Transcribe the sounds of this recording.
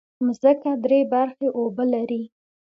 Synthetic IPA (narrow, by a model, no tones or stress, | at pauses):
mzəkad̪ɾebaɾxeʔobəlaɾi